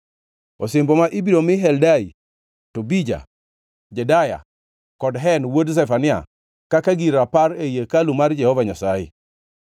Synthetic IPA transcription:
osembomaʔibiɾomɪɦɛldai | tobid͡ʒa̰ | d͡ʒɛdaja̰ | kɔdɦɛnwods̬ɛfanɪa̰ | kakaɡiɾaparejekalumard͡ʒɛhɔvaɲasajɪ̰

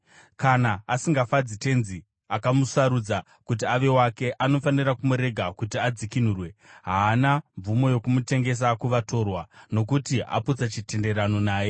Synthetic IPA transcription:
kanaːsiŋɡafad͡zite̞nzi | akamusaɾud͡za | kut̬iaʋe̞wake̞ʔano̞fanirakumuɾe̞ɡʱakutiad͡zikin̤uːrwe̞ɦaːnaɱvumo̞jo̞kumute̞ŋɡe̞s̬akuʋato̞rwano̞kutiʔa̰put͡sat͡ʃite̞nde̞rano̞naːje̞

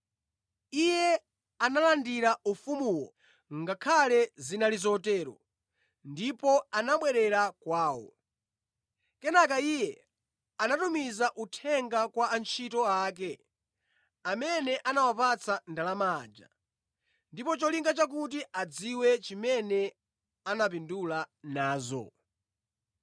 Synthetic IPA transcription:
ijɛ | analandiɾaufumuwɔ | ŋɡakʰalɛzinalizɔtɛːɾɔ̰ | ndipɔanaɓwɛɾɛɾakwaːwɔ̰ | kɛnakaijɛ | anatumizaʔutʰɛŋɡakwaːnt͡ʃʰitɔaːk̬ɛ | amɛnɛʔanawapat͡sʰandalamaːd͡ʒa̰ | ndipɔt͡ʃɔliŋɡat͡ʃak̬ut̬iad͡ziwɛt͡ʃimɛnɛ | anapindulanaːzɔ̰

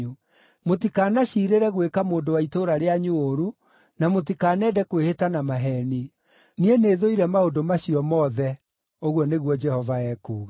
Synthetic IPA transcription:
u | motikaːnaɕiːɾeɾɛɣwekamoːndowaitoɾaɾeaɲuoɾu | namot̬ikaːnɛdɛkwehetanamaɦɛni | nieneːðoiɾɛmaondomaɕiɔmɔðɛ | oɣwɔneɣwɔd͡ʒɛhɔvaɛkuːɣa

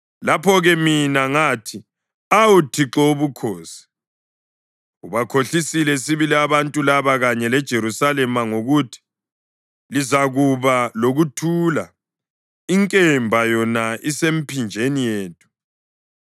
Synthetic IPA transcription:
lapʰɔɣɛminaŋaːtʰi | awutʰiǁɔβukʰɔːsi̥ | uβakʰoɬisilɛsiβiliaβantʼulaβaɣaɲɛlɛd̥ʒ̥ʱeɾusalɛmaŋoɣutʰi̥ | lizaɣuβaloɣutʰula | iŋkʼɛmbʱajɔnaʔisem̩pʰind͡ʒʱenijeːtʼu̥

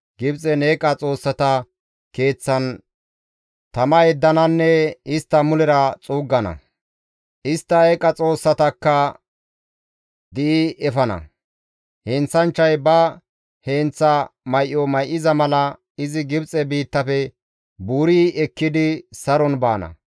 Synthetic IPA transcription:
ɡɪbt͡sʼɛneːkʼɐt͡sʼo̞ːsːɐt̪ɐ | ke̞ːt͡sːɐn | t̪ɐmɐjɛd̪ːɐnɐnːɛɪst̪ːɐmʊlɛɾɐt͡sʼuːɡːɐnɐ̰ | ʔɪst̪ːɐekʼɐt͡sʼo̞ːsːɐt̪ɐkːɐ | d̪ɪʔɪɛfɐnɐ̰ | heːnt͡sːɐnt͡ʃːɐjbɐ | heːnt͡sːɐmɐjʔɔmɐjʔɪzɐmɐlɐ | ɪzɪɡɪbt͡sʼɛbiːt̪ːɐfɛ | buːɾiːɛkːɪd̪ɪsɐɾɔnbaːnɐ̰

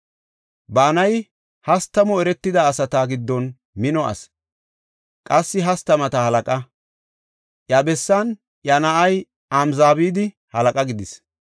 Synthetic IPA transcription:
baːnɐj | hɐst̪ːɐmɔɛɾɛt̪ːɪd̪ɐːsɐt̪aɡɪd̪ːɔn | mɪnɔɐ̰s | kʼɐsːɪɦɐst̪ɐmɐt̪ɐhɐlɐkʼɐ | ʔjɐbɛsːɐn | jɐnɐʔɐj | ɐmzaːbiːd̪ɪ | hɐlɐkʼɐɡɪd̪ɪs

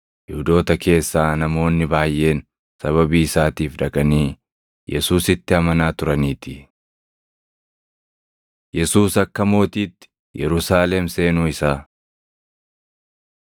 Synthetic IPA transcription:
hɪhʊd̪o̞ːt̪ɐke̞ːsːaːnɐmo̞ːnːɪbaːjːe̞ːn | sɐβɐbiːɪsaːt̪iːfᶑɐkʼɐniː | jʔɛsuːsɪt̪ːɪɐmɐnaːt̪ʊɾɐniːt̪ɪ | jɛsuːsɐkːɐmo̞ːt̪iːt̪ːɪ̥ | jɛɾʊsaːlɛmse̞ːnuːɪsaː

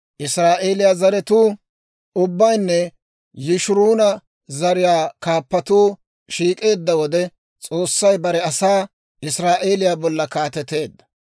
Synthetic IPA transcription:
ʔɪsɾaːʔeːlɪjaːzɐɾɛt̪uː | ʊbːɐjnːɛ | jɪʃʊɾuːnɐ | zɐɾɪjaːkaːpːɐt̪uː | ʃiːkʼe̞ːd̪ːɐwɔd̪ɛ | t͡sʼo̞ːsːɐjbɐɾɛɐsaː | ʔɪsɾaːʔeːlɪjaːbɔlːɐkaːt̪ɛt̪ːe̞ːd̪ːɐ̥

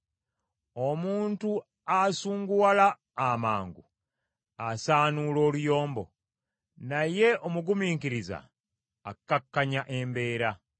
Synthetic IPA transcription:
o̞muːntu | asuːŋɡuwalaː | maːŋɡṵ | asaːnulo̞ːlujo̞ːmbo̰ | naje̞ʔomuɡumiːŋkiɾiza̰ː | kːakːaɲaʔembe̞ːɾa

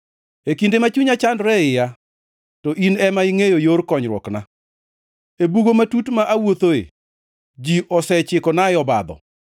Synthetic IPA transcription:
ekindemat͡ʃuɲat͡ʃandɾɛɪja | tɔʔinɛmaɪŋejojoɾkɔɲɾwɔ̰kna | ebuɡomatutmaʔawot̪oḛ | d͡ʒiʔɔsɛt͡ʃɪkɔnaɪɔba̰d̪ɔ̰

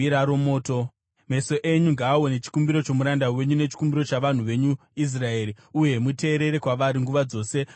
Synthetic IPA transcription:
iɾaɾo̞mo̞ːto | me̞so̞ʔeɲuŋɡaːonet͡ʃi̥kumbiɾo̞t͡ʃo̞muɾandawe̞ɲune̞t͡ʃi̥kumbiɾo̞t͡ʃaʋan̤uʋe̞ɲu | is̬rae̞ːɾi | uje̞mute̞ːɾe̞ɾe̞kwaʋaɾiŋɡuʋad͡zo̞ːse̞

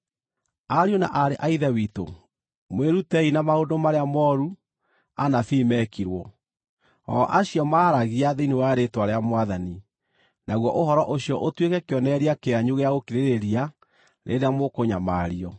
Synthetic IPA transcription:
aɾiona̰ʔaɾeʔaiðɛwito̰ | mweɾutɛinamaodomaɾeamɔɾu | anafiːmɛkiɾwɔ | ɔ̰ʔaɕjɔmaːɾaɣiaðeinewaɾetwaɾeamwaðani | naɣwɔʔohɔɾɔʔoɕjɔʔotwekɛkeɔnɛɾiakeaɲuɣeaɣokiɾeɾeɾia | ɾʔḛɾeamokoɲamaɾiɔ

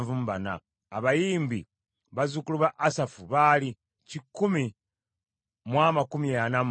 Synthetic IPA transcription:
vumβana̰ː | βajiːmbi | βazukuluβaʔːsafuβali | cikːumi | mwamakumijanam

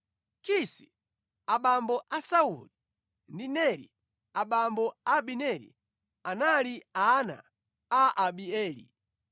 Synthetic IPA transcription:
kisi | aɓambɔʔasauli | ndinɛɾḭ | aɓambɔaɓinɛɾḭ | analiana̰ | aʔaɓiɛːlḭ

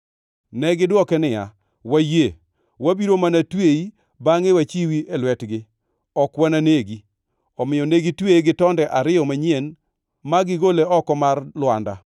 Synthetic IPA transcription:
nɛɡɪdwɔkɛnɪja̰ | waje | wabiɾomanatwei | baŋewat͡ʃiwiʔelwɛtɡɪ | ɔkwananeɡi | ɔmɪjɔneɡitweɡɪtɔndɛʔaɾɪjɔmaɲen | maɡɪɡoleɔkɔmarlwanda̰

